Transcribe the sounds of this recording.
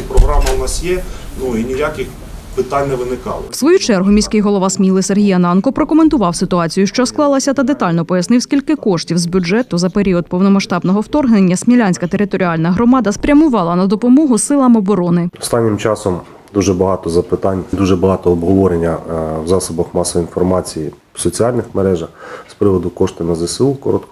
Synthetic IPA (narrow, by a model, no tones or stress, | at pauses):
pɾɔɦɾɑmɐʊnɑsjɛnuinʲɪjakʲɪx | pɪt̪ɑnʲnɛʋɪnɪkɑ̰lˠɪ̰wsʋɔjut͡ʃɛrɦʊmʲisʲkɪjɦɔlˠɔʋɑsmʲilˠɪserɦʲijɐnɑnkɔpɾɔkɔment̪ʊʋɑwsɪt̪ʊɑt͡sʲijʊʃt͡ʃɔsklˠɑlˠɐsʲɐt̪ɐd̪et̪ɑlʲnɔpɔjɐsnɪwsʲkʲilʲkɪkɔʃtʲiwzbʲʊd͡ʒɛt̪ʊzɐpeɾʲiɔd̪̚pɔwnɔmɐʃt̪ɑbnɔɦɔwt̪ɔrɦnenʲːɐsʲmʲilʲanʲsʲkɐt̪eɾɪt̪ɔɾʲiɑlʲnɐɦɾɔmɑd̪ɐspɾʲɐmʊʋɑlˠɐnɐd̪ɔpɔmɔɦʊsɪlˠɐmɔbɔɾɔnɪɔst̪ɑnʲːɪmt͡ʃɑsɔm | d̪uʒɛbɐɦɑt̪ɔzɐpɪt̪ɑnʲd̪uʒɛbɐɦɑt̪ɔːbɦɔʋɔɾenʲːɐwzɑsɔbɐxmɑsɔʋɔinfɔrmɑt͡sʲiji | sɔt͡sʲiɑlʲnɪxmeɾɛʒɐxspɾɪʋɔd̪ʊkɔʃt̪ɪnɐzɐsʲɨlˠkɔɾɔt̪k